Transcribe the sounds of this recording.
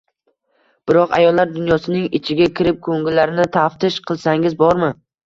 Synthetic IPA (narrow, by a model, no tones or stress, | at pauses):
b̥ɪɾɒqa̰jɒlːaɾd̪ʊnjɒsɪnɪŋɪt͡ʃʰɪɡʲakʲʰɪɾɪp̚kʰɵŋɡʲɪlːaɾɪnɪt̪ʰaft̪ʰɪʃqʰɨlˠsaŋɪzbɒɾmɪ